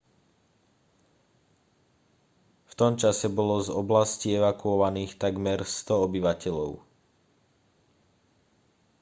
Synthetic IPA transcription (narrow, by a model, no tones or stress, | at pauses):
ft̪ɔmt͡ʃasɛbɔlɔzɔblasciɛʋakuɔʋaniːxt̪aɡmɛɾst̪ɔɔbiʋacɛʎɔʊ